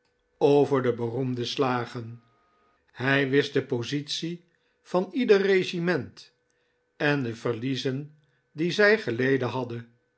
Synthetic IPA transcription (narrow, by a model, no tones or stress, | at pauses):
owvəɹdəbərumdəslaːχən | hɛjʋɪsdəpozit̪si | fɑnidərreʒimɛnt | ɛndəvəʁlizən | dizɛjχəlejdənɦɑdə